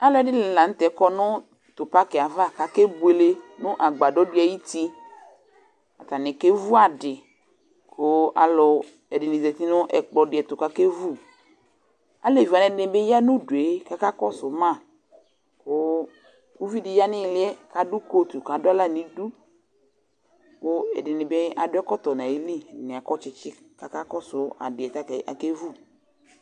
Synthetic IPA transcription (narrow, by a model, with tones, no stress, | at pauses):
a˨lʊ˦ɛ˨dɪ˦lɪ˨la˨n̩˦t̪ɛ˨˦kɔ˦nʊ̃˦ | t̪ʊ˨pa˦kɪ˨a˨va˦˨ka˦ke˦bu˨e˨le˦nʊ̃˦ʔa˨ɡ͡ba˨dɔ˦dʊ˦a˨ji˦t̪i˦ | a̰˨t̪a˨nɪ˨ke˦vu˦a˨dɪ˨ | kʰʊ˨˦a̰˨lʊ˨ | ɛ˨dɪ˨ni˨zɛ˨t̪i˦nʊ˦ʔɛ˨k͡pɔ˨dɪ˨ɛ˨t̪ʊ˨ka˦ke˦vu˦ | a˦le˨va˨n˨ɛ˨dɪ˨nɪ˨bɪ˦ja˦nʊ˦dʊ˨e˨˦ka˦ka˦kɔ˦sʊ˨mã˦˨ | kʊ˦ | u˦vi˦dɪ˨ja˦nɪ˦˨lɪ˦ɛ˦ka˨dʊ˦ko˦t̪u˨ka˨˦dʊ˦a˦la˦˨nĩ˨du˦ | kʊ˦ɛ̰˨dɪ˨nɪ˨bɪ˦a˨dʊ˦ɛ˦kɔ˦t̪ɔ˨nã˨i˦li˦˨nɪ˨a˨kɔ˦t͡ʃɪ˦t͡ʃɪ˦ | ka˨˦ka˦kɔ˦sʊ˨a̰˨dɪ˨ɛ˨t̪a˦kɛ˨˦ʔa̰˨ke˦vu˦